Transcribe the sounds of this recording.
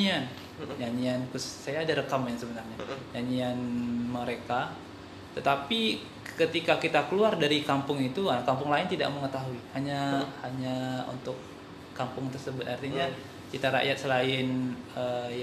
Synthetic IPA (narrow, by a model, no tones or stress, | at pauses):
ian | d͡ʒaɲiankʊssajaːdaɾəkamansəbənarɲad͡ʒaɲianməɾeka | t̪ət̪api | kət̪ikakit̪akəluardaɾikampʊŋit̪uakampʊŋlaɪnt̪ida̰ʔməŋət̪aɦuihaɲahaɲaṵnt̪ʊkː | ampʊŋt̪ərsəbʊt̪art̪iɲa | kit̪aɾa̰ʔjat̪̚səlaɪnə